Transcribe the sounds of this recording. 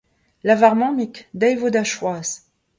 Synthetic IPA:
lavaʁmɑ̃mikd̪ajvod̪aʃwaz

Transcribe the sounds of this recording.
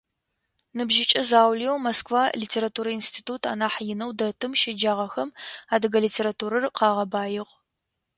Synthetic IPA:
nɨbʒɪt͡ʃʼɐzaːwlijɛwmoskvaːlitʰeːɾatʰuːɾɐinstʰiːtʰuːtʰa̰ːnaːħjɪnɐwdɐtʰɨmʃɪd͡ʒaːʁɐxɐmaːdɨɡɐliːtʰeːɾatʰuːɾɐrqɑːʁɐbaːjɪʁ

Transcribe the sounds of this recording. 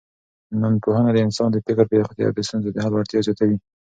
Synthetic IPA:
nanpohanad̪əɪnsɑnd̪əfɪkəɾpxt̪jɑ̰ɾd̪əst̪unzed̪əɦalaɾt̪jɑd͡ʒɑt̪awi

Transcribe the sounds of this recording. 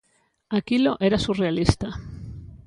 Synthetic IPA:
akilo̞ʔeɾasurealist̪a

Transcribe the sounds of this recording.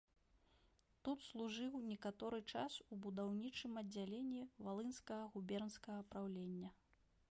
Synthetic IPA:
t̪ut̪slˠuʐɨwnʲɛkat̪ɔɾɨt͡ʂa̰subud̪awnʲit͡ʂɨmɐd͡zʲːalʲenʲːivalˠɨnskɐɣɐɣubʲɛrnskɐɣɐpɾawlʲenʲːɐ

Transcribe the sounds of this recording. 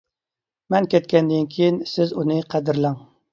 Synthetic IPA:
mɛnkʲʰɛt̪̚kʲɛnd̪ɪnkʲʰijinsɪzunɨqʰæd̪ɪɾlæŋ

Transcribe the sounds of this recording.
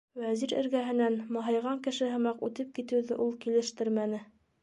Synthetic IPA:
wæziɾɘ̰̆ɾɡæɦɘ̆nænmɑɦɑjʁɑŋkɘ̆ʃɘɦɤ̆mɑqʉt̪ɘp̚kit̪ɘ̆wðɘʔulˠkilɘ̆ʃt̪ɘɾmænɘ

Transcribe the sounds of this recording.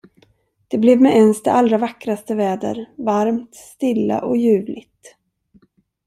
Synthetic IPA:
d̪̥ɛblɛvmɛʔɛnsd̪ɛ̰ʔalɾavakːɾast̪əvɛːd̪ə̰ɾvaɾmt̪st̪ɪlːa̰ʔɔjʉ̟ːvlɪt̪

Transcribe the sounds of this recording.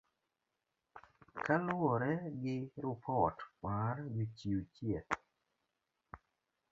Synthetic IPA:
kalʊɔɾɛɡɪɾʊpʰɔtmaɾɡɪt͡ʃiut͡ʃjɛt

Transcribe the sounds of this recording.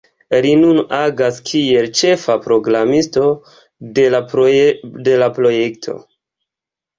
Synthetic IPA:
linunaɡaskʰie̞lt͡ʃe̞fapɾo̞ɡɾamisto̞ | de̞lapɾo̞je̞ktʰo̞̰

